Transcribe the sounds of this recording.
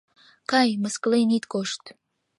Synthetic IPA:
kɑjməsklenit̪koʃt̪

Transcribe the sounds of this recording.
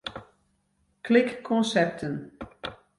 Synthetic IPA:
kʰlɪkːʰɔnsɛr̚tʰən

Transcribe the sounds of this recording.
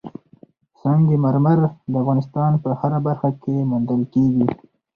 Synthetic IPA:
sɑŋɡemaɾmaɾd̪əafɣɑnɪst̪ɑnpəhaɾabaɾxakʰemund̪əlkeɡi

